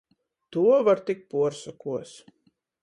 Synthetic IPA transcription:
t̪uɔvaɾt̪ik̚puɔɾsakuɔs

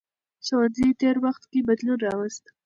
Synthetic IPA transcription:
sawanzit̪eɾwaxt̪kebad̪lunɾɑwast̪

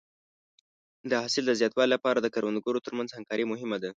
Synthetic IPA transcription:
d̪əhɑsɪld̪əzjɑt̪wɑlilapɑɾad̪əkaɾwand̪ɡoɾot̪əɾmanzhaŋkɑɾimʊɦɪmad̪a

